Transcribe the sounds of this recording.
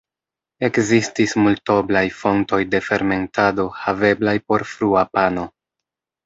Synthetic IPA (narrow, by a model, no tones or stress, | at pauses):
e̞kzistismulto̞blajfo̞nto̞jde̞fe̞ɾme̞ntado̞have̞blajpo̞ɾfɾuapano̞